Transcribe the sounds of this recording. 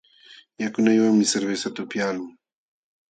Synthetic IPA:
jakʊnajwaŋmɪseɾbesat̪ʊpjaːlʊŋ

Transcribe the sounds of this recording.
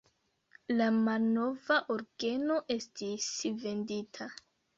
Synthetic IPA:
lamalno̞vaʔoɾɡe̞no̞ʔe̞stisve̞nditʰa

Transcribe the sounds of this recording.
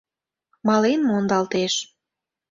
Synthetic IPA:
mɑlenmoond̪ɑlt̪eʃ

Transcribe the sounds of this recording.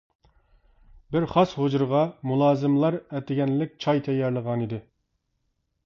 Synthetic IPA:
bɪɾχɑshod͡ʒuɾʁɑmulˠɑːzɪmlˠɑɾɛt̪ɪɡʲɛnlɪk̚ʲt͡ʃʰɑjt̪ʰɛjːɛɾlˠəʁɑnid̪ɪ

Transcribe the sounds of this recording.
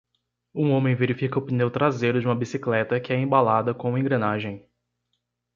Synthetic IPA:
ũõmẽj̃veɾifikɐʊpinewt̪ɾazejɾʊd͡ʒɪũmɐbisiklɛt̪ɐkɪɛẽbalad̪ɐkõẽɡɾɐ̃naʒẽj̃

